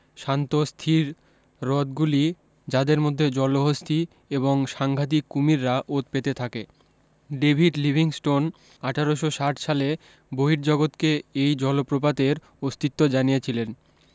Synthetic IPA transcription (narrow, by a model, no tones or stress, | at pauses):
ʃant̪ost̪ʰiɾː | ɔt̪̚ɡuli | d͡ʑad̪eɾmod̪ʱːed͡ʑɔloɦost̪ʰi | eβoŋʃaŋɡʱat̪̬ikːumiɾːaʔot̪̚pet̪et̪ʰake | ɖebʱiʈlibʱiŋsʈon | aʈʰaɾoʃoʃaʈʰʃale | boɦiɾd͡ʑɔɡot̪keejd͡ʑɔlopɾopad̪eɾ | ost̪it̪ːod͡ʑanijet͡ɕʰilen